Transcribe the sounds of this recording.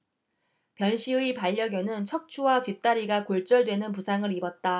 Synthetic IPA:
pjʌnɕʰiɯipaʎːʌɡjʌnɯnt͡ɕʰʌk̚t͡ɕʰuwatɥit͈aɾiɡakoɭt͡ɕ͈ʌɭdwe̞nɯnpusʰaŋɯɾibʌt̚t͈a

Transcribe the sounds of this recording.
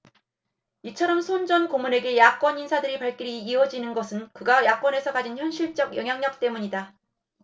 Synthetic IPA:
it͡ɕʰʌɾʌmsʰond͡ʑʌnkomune̞ɡe̞jak͈wʌninsʰadɯɾipaɭk͈iɾiːwʌd͡ʑinɯnɡʌsʰɯnkɯɡajak͈wʌne̞sʰʌkad͡ʑinçjʌnɕʰiɭt͡ɕ͈ʌɡjʌŋɦjaŋɲʌk̚t͈e̞muɲida

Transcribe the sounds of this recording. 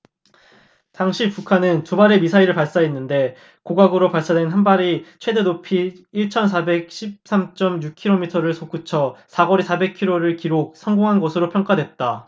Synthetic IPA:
taŋɕʰipukʰanɯntubaɾe̞misʰaiɾɯɭpaɭs͈aenːɯnde̞ | koɡaɡɯɾopaɭs͈adwe̞nɦanbaɾit͡ɕʰwe̞dedopʰiːɭt͡ɕʰʌns̬ʰabe̞k̚ɕʰip̚s͈amt͡ɕ͈ʌmjuk̚kʰiɾomitʰʌɾɯɭsʰok͈ut͡ɕʰʌsʰaɡʌɾisʰabe̞kʰiɾoɾɯɭkiɾok̚sʰʌŋɡoŋɦanɡʌsʰɯɾopʰjʌŋk͈adwet̚t͈a

